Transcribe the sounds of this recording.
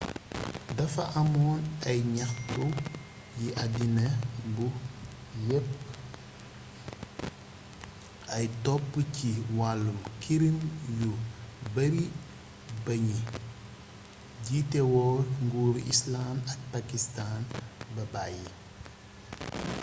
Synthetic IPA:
dɐfɐʔɐmɔːnɐjɲɐxtu | jiʔɐdinɐbu | jɛpː | ɐjtɔpːəciwalːumkʰiɾimjubɐɾi | bɐɲi | ɟitɛwɔŋɡuːɾḭslamɐk̚pakistanbɐbaji

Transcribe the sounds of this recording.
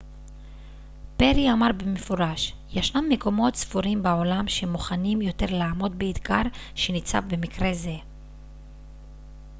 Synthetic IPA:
pe̞ʁiamaʁbemefoʁaʃjeʃnamːeko̞mo̞tsvuʁimbao̞lamʃemuχanimjo̞te̞ʁlaːmo̞d̪̚beid̪ɡaʁ | ʃe̞nit͡sa̰vbe̞mikʁe̞ze̞

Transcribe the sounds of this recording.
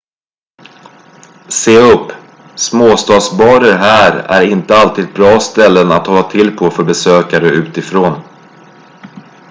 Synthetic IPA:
seːɵpː | smoːst̪ɑːd̪sbɑːɾəɾɦæːɾæ̰ɾɪnt̪əalt̪ʰiːd̪̚bɾɑːst̪ɛlːənat̪hɔlːat̪ʰɪlːpʰofœɾbɛsøːkaɾəʉ̟ːt̪ɪfɾoːn

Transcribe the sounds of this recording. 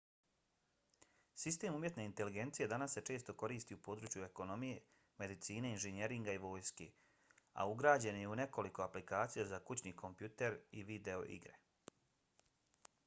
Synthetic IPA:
sist̪e̞ːmumje̞t̪ne̞int̪e̞liɡe̞nt̪sije̞d̪anasːe̞t͡ʃe̞ːst̪o̞ko̞ɾiːst̪iupo̞ːd̪ɾuːt͡ʃjue̞ko̞no̞mije̞ | me̞d̪it̪siːneinʒene̞ɾiŋɡaiʋo̞ːjske | a̰uɡɾaːd͡ʑe̞njeune̞ko̞liko̞aplikaːt̪sijazakut͡ɕnikʰo̞mpjut̪e̞ɾiʋid̪e̞o̞̰ʔḭɡɾe̞̰

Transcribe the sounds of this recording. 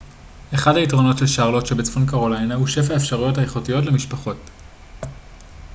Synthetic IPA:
ʔeχadhaitʁo̞no̞tʃelʃaːʁlo̞tʃebet͡sfonkaʁolajnahuʃe̞faefʃaʁujo̞thaeχotijo̞tle̞miʃpaχo̞t

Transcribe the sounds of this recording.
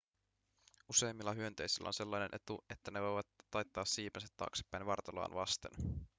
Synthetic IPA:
use̞jmːilːɑɦyø̞nt̪e̞jsilːæ̰onse̞lːɑjne̞nʔe̞t̪ue̞t̪ːæneʋo̞jʋɑt̪ːɑjt̪ːɑːsːiːpensæt̪ːɑ̰ːksi̥pːæjnʋɑrt̪ɑlɑ̰ːnʋɑst̪ḛn

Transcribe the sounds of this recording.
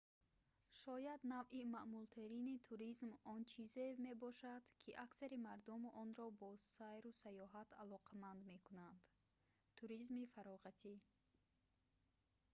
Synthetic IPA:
ʃɔjad̪navʔimaʔmult̪ʰeɾinit̪ʰuɾizmɔnt͡ʃʰizeme̞bɔʃad̪̥kʰiʔaksaɾimaɾd̪umɔnɾɔbɔsajɾusajɔɦat̪ʰalɔqʰamand̪me̞kʰunand̪ | t̪ʰuɾizmifaɾɔʁat̪ʰi

